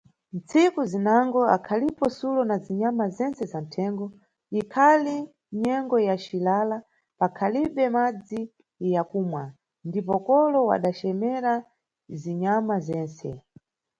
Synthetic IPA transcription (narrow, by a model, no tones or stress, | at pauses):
nt͡sʰikuzinaŋɡɔa̰kʰalipɔsulɔnaziɲamazɛnsɛzan̩tʰɛŋɡɔ | ikʰali | ɲɛŋɡɔjat͡ʃilala | pakʰaliɓɛmad͡zi | jakuːmwa | ndip̬ɔkɔlɔwa̰ɗat͡ʃɛmɛɾa | ziɲamazɛːnsɛ̰